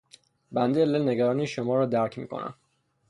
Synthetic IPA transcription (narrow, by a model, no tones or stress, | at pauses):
bænd̪eeleneɡæɾɒːniːʃomɒːɾɒːd̪æɾcʰmḭːkʰo̰næ̰m